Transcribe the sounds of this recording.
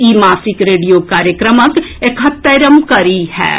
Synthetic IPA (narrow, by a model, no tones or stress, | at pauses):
iːmaːsɪkɾeːɖijokaːɾjəkɾəmək | ekʰɦɐt̪ːɐɾəmkɐɾiɦɛ̰ː